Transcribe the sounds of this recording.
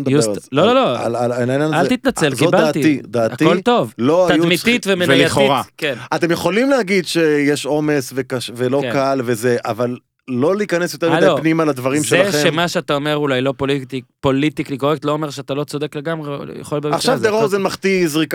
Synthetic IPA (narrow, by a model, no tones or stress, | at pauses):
d̪just̪lololoa̰lalanainjanalit̪nat͡selkiobadlːtitid̪aːatio̞lt̪o̞vloat̪ajumit̪it̪vemenjtχoʁakenat̪emjeχo̞limleaɡid̪ʃejeʃo̞mesvekavelo̞kalvezeʔavalː | o̞liikanesjot̪eʁmildeopnimalad̪vaʁimʃeeaʃeemaʃeat̪aome̞ʁulajlo̞politipo̞lit̪iklikoʁek̚t̪lo̞ome̞ʁʃeat̪alo̞t͡so̞d̪ekle̞ɡamʁḛja̰χo̞lbeaχʃavzdeʁozenmaχt̪izʁika